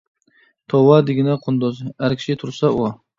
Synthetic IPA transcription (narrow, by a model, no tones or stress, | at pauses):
t̪ʰɒwad̪ɪɡʲɪnaqʰʊnd̪ɔzhaɾkʲʰɪ̥ʃɪt̪ʰʊɾsau